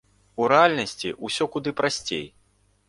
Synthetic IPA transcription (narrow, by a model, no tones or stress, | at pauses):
uɾɛalʲnɐsʲt͡sʲḭʔusʲɔkud̪ɨpɾasʲt͡sʲḛj